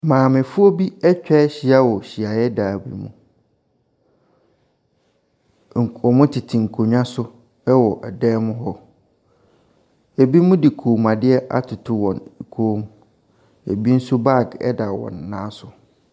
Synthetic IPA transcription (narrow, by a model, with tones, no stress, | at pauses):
mãː˨mɪ̃˨fʊ˦ɔ˦bi˦ɛ˦t͡ɕᶣɛ˦ɕi˨a˦wɔ˨ɕi˨a˨jɛ˦daː˨bḭ˨mṵ̃˨ | ŋ̩˨ɔ˨mʊ̃˦tʰɪ˨tʰɪ˨ŋ̩˨kʰo˨ɲᶣ˦ã˦sʊ˦ | ɛ˦wɔ˨ʔɛ˨dɛː˦mʊ̃˦ɦɔ˦ | e˨bi˦mũ˦dɪ˨kʰoː˨mã˨dɪ˦ɛ˦ʔa̰˦tʰʊ˨tʰʊ˦wɔ̰̃˨n˨kʰoː˦m | ḛ˨bi˦n̩˦sʊ˦ba˦˨ɡɛ̰˦da˨wɔ̰̃˨nːãː˦sʊ˨